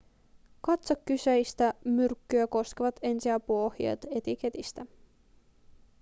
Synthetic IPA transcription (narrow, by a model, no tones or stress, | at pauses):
kɑt̪sokːysejst̪æmyrkːyæko̞ske̞ʋɑt̪e̞nsiæpuohjiḛt̪e̞t̪ik̟e̞t̪ist̪æ